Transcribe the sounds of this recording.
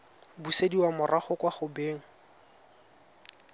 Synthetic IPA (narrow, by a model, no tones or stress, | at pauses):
busediwamʊraχʊkwaχʊbeːŋ̩